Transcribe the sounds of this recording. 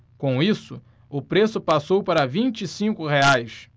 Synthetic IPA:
kõw̃isʊ | ʊpɾesʊpasowpaɾɐvĩnt͡ʃisĩkʊheajs

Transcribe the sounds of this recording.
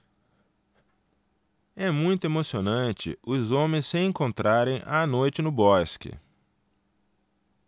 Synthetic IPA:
ɛmũj̃t̪ʊemosionɐ̃nt͡ʃɪ̰ʊzõmẽj̃sːɪẽŋkõnt̪ɾaɾẽj̃ʔanojt͡ʃɪnʊbɔskɪ̰

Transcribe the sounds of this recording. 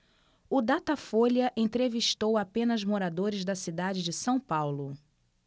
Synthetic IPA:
ʊd̪at̪ɐfoljɐʔẽt̪ɾeviʃt̪owapẽnɐzmoɾad̪oɾɪzd̪ɐsid̪ad͡ʒɪd͡ʒɪsɐ̃w̃pawlʊ

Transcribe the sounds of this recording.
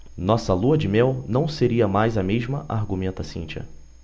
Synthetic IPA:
nɔsɐluɐd͡ʒɪmɛwnɐ̃w̃seɾiɐmajzɐmeʒmɐʔaɾɡumẽnt̪ɐsḭ̃nt͡ʃɐ̰

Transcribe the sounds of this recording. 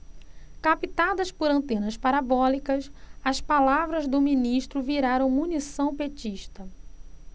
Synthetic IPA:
kapit̪ad̪ɐspoɾɐ̃t̪ẽnɐspaɾabɔlikɐsɐspalavɾɐzd̪ʊminiʃt̪ɾʊviɾaɾɐ̃w̃munisɐ̃w̃pet͡ʃiʃt̪ɐ

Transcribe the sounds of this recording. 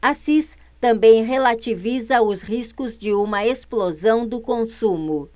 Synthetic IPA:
asis | t̪ɐ̃mbẽj̃ɦelat͡ʃivizɐʊshiskʊzd͡ʒɪũmɐesplozɐ̃w̃d̪ʊkõsũmʊ

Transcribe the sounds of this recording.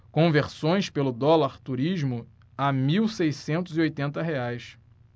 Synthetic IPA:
kõveɾsõj̃spelʊd̪ɔlaɾt̪uɾiʒmʊ | amiwsejsẽnt̪ʊziojt̪ẽnt̪ɐɦeajs

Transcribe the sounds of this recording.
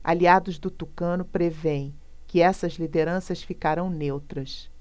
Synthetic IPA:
a̰liad̪ʊzd̪ʊt̪ukɐ̃nʊpɾevẽj̃ | kɪɛsɐzlid̪eɾɐ̃sɐsfikaɾɐ̃w̃newt̪ɾɐs

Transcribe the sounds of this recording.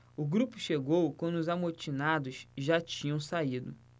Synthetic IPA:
ʊɡɾupʊʃeɡowkwɐ̃nd̪ʊʊzamoɾt͡ʃinad̪ʊzʒat͡ʃĩɲɐ̃w̃said̪ʊ

